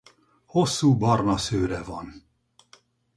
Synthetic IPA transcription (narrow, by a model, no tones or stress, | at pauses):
hosːuːbɒrnɒsøːɾɛvɒn